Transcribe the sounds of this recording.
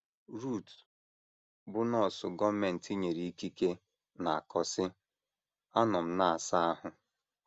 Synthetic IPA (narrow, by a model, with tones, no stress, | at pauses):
ɾu˦˨t | bʊ˦nɔ˦˨sʊ˨ɡɔ˦me˨n̩˨ti˦ɲe˨ɾi˦i˦ki˦ke˦ | na˨a˨kɔ˨sɪ˦ | a˦nɔ˨m̩˦na˦a˨sa˦a˦ɦʊ˨